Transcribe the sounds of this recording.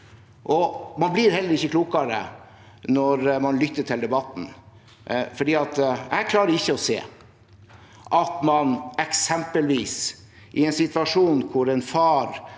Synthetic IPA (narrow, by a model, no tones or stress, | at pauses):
ʔɔmɑnblɪɾhɛlːəɾɪçːəkʰluːkɑɾə̰ | nɔɾmɑnlʏt̪ːəʈʰɪld̪ɛbɑt̪n̩ | fɔɖiːɑt̪ækʰlɑːɾəɾɪçːəɔsḛː | ʔɑt̪mɑnɛksɛmpəlʋiːs | ʔɪɛnsɪt̪ʋɑʂuːnkʰʊɾɛnfɑːɾ